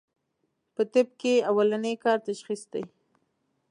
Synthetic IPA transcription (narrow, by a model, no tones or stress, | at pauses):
pət̪ɪb̚keawalanekɑɾt̪aʃxisd̪ḛj